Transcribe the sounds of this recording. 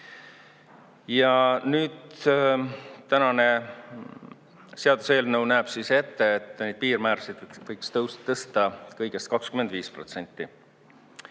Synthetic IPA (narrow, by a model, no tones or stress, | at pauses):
jɑnyːd̪ | t̪ænɑne̞ | se̞ɑd̪̥use̞ːlnɤwnæːb̥sise̞t̪ːe̞ːt̪ːˑnejd̥̪̚piːrmæɾsid̪̥vɤjkst̪ɤwsɤst̪ɑkɤjɡ̥e̞st̪̚kɑkskymed̪viːspro̞t̪se̞nʲt̪ˑːi